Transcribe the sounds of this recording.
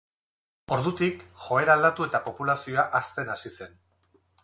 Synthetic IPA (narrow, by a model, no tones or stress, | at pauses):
o̞ɾðut̪ikxo̞e̞ɾald̪at̪ue̞t̪apo̞pulasio̞aʔast̪e̞nasise̞n